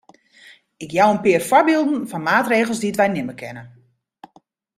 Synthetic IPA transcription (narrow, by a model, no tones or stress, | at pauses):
ɪkjawənpɪːərfɔrbɪːlˠdn̩fɔnmaːtreːɣəlˠsdiətʋɛjnɪməkʰɛnə